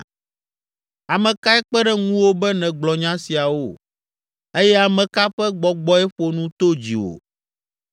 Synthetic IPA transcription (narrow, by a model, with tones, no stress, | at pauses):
a˨mɛ̃˨ka˦ɛ˦k͡pɛ˦ɖɛ˦ŋũ˦wo˦bɛ˦nɛ̃˨ɡ͡blɔ˨ɲã˦si˨a˨wo˦˨ | e˦jɛ˦a˨mɛ̃˨ka˦ɸɛ˦ɡ͡bɔ˨ɡ͡bɔ˦ɛ˦ɸo˨nũ˦t̪o˦d͡ʑi˨wo̰˨